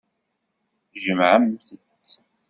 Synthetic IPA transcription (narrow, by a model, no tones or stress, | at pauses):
ʒəmʕamθə | t͡s